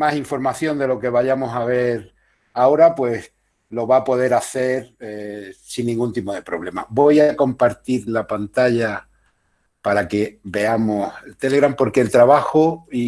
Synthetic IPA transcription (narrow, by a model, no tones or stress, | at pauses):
masiɱfo̞ɾmaθjo̞nd̪e̞lo̞ke̞βaʎamo̞saβ̞e̞ɾ | ao̞ɾapwe̞s | lo̞βapo̞ðe̞ɾaθe̞ɾesinːĩŋɡunt̪ipo̞ð̞e̞pɾo̞βle̞ma̰bo̞jako̞mpaɾt̪iɾlapant̪aʎa | paɾake̞be̞amoselt̪e̞le̞ɣɾampo̞ɾke̞ːlt̪ɾaβaxoi